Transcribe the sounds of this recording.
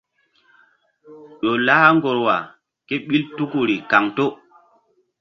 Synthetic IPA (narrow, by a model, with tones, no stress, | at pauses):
ɗo˨la˦ha˦ŋɡo˨ɾwa˨ | ke˦ɓi˦ltu˦ku˨ɾi˨ka˨ŋto˦